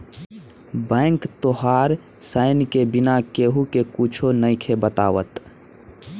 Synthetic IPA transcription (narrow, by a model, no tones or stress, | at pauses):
bə̃ːŋkt̪oɦaːɾ | səɪnkebɪnakeːɦukekut͡ʃʰonəɪkʰebət̪a̰ːʋə̰t̪